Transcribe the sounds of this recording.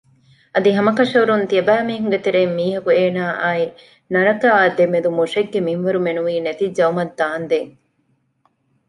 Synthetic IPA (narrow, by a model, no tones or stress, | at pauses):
ʔɐd̪iɦɐmɐkɐʂɐuɾunt̪iɐbæːmiːɦuŋ̆ɡet̪eɾeːmːiːɦɐkueːnaːʔaːi | nɐɾɐk̪aːd̪emed̪umoʂeɡːemimʋɐɾumenuʋiːnet̪id͡ʒɐumɐd̪ːaːnd̪eːŋ